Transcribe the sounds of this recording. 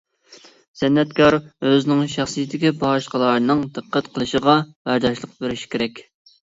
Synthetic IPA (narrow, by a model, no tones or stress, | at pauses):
z̥ɛnːɛt̪kʰɑɾøzɪnɪŋʃɑχsijt̪ʰːɪkʲibɑʃqəlˠɑɾnɨŋd̪ɨqʰːæt̪qʰəlˠɨʃəʁɑb̥æɾd̪ɑʃlˠəq̚beɾɪʃi̥kʲʰeɾɛkʲ